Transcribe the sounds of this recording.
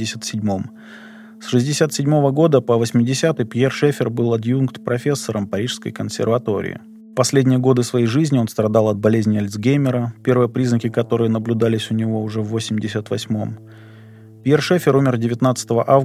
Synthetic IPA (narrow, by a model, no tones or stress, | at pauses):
ɪsʲət̪sʲɪdʲmo̞m | sʂɨzʲdʲɪsʲat̪sʲɪdʲmo̞vəɡo̞d̪əpəvəsʲmʲɪdʲɪsʲat̪ɨjpʲjerʂɛfʲɪrbɨlˠɐd̪junkt̪pɾɐfʲe̞sːəɾəmpɐɾʲiʂskə̰jkənsʲɪ̰rvɐt̪o̞ɾʲɪ̰ɪ̰ | fpɐsʲlʲedʲnʲɪjəɡo̞d̪ɨsvɐjejʐɨzʲnʲɪo̞nst̪ɾɐd̪alˠɐd̪̚bɐlʲezʲnʲɪɐlʲt̪zɡʲejmʲɪɾəpʲe̞rvɨjəpɾʲiznəkʲɪkɐt̪o̞ɾɨjənəblʲʉd̪alʲɪsʲʊnʲɪvo̞ʊʐɛvːosʲɪmʲdʲɪsʲət̪vɐsʲmo̞̰m | pʲjerʂefʲɪɾumʲɪrdʲɪvʲɪt̪nat̪sɨ̥t̪əvəʔav